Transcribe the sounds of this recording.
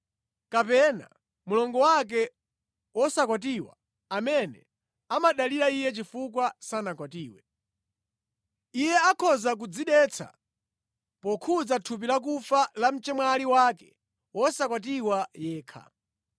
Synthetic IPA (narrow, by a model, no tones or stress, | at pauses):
kapɛna̰ | mulɔŋɡɔwak̬ɛ | wɔsakwat̬iwa̰ | amɛnɛ | amaɗaliɾaijɛt͡ʃifukwasanakwatiːwɛ | ijɛakʰɔzak̬ud͡ziɗɛt͡sʰa̰ | pɔkʰuzatʰup̬ilak̬ufalam̩t͡ʃɛmwaliwakɛ̥ | wɔsakwatiwajɛːkʰa̰